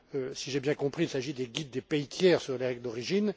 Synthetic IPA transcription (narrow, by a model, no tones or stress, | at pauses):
øsiʒebjɛ̃kɔ̃pχiilsaʒid̪eɡʲid̪ːepejt̪jɛːʁsyʁleʁɛɡld̪ɔʁiʒin